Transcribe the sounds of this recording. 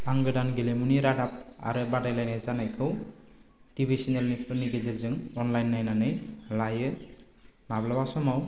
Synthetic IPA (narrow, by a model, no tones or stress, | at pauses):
aŋɡɯdanɡelemuniɾadap̚a̰ɾɯbadajlajnezanajkʰɯw | tibijsinelnipʰɯniɡedelzɯŋɔnlajnːajnanɯjlajɯ | mablabasɔmaw